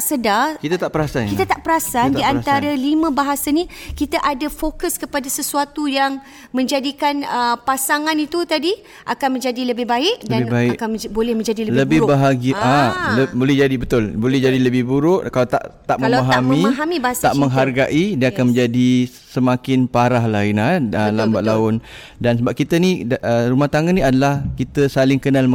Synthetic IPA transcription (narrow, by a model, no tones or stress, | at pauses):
sədakit̪at̪aʔpəɾasankit̪at̪aʔpəɾasandiant̪aɾalimãbaɦasanĩkit̪aʔadafokəskəpadasəsuat̪ujaŋ | mə̃ɲd͡ʒadikanəpasaŋãnit̪ut̪adi | ʔakanmə̃ɲd͡ʒadiləbɪhbaɪʔ̚dabaɪkanbolɛhmə̃ɲd͡ʒadilələbɪhɾbaɦaɡəʔaləbolɛhd͡ʒadibət̪ʊlbolɛhd͡ʒadiləbɪhbuɾʊʔkalat̪a̰ʔt̪aʔməlpaɦamĩɦamibasaʔməŋɦarɡaʔidiəakanmə̃ɲd͡ʒadi | səmakɪnpaɾaɦlaɪnaəlamba̰ʔ̪̚laʊn | dansəbap̚kit̪əniərumaht̪aŋanĩadalahkit̪əsalɪŋkənal